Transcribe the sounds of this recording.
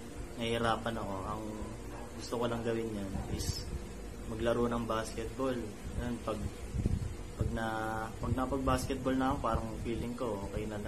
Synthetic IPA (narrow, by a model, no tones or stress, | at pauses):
nɐhɪɾaːpɐnɐko̞ʔɐŋ | ɡʊst̪okolɐŋɡɐwɪnɲanʔɪs | mɐɡlɐɾonɐŋbaskɛt̪̚bol | ɐjonpɐɡ̚ | pɐɡ̚nɐpɐɡ̚nɐkɐpɐɡ̚baskɛt̪̚bolnɐɐkopaːɾɐŋfiːlɪŋko̞okɐjnɐlɐ